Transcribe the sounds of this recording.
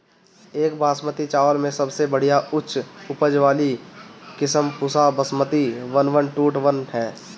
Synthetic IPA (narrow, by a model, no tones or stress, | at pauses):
eːkbaːsmət̪it͡ʃaːʋəlmẽsəbsebəɽ̤ijaʊt͡ʃʰʊpəd͡ʒʋaːlikɪsəmpʊsabəsmət̪iʋənʋənʈuːʈʋənɦɛː